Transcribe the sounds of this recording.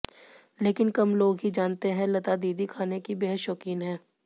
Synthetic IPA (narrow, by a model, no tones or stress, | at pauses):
leːkɪnkɐmloːɡɦid͡ʒaːnt̪eɦɛ̃lɐt̪ad̪iːd̪ikʰaːnekibeɦəʃɔːkiːnɦɛ̃ː